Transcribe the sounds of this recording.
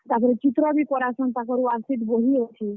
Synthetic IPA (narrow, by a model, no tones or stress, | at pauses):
t̪aɾpɔɾet͡ʃit̪ɾɔbipɔɾasɔnt̪akɔɾuaɾsit̪boɦiot͡ʃʰi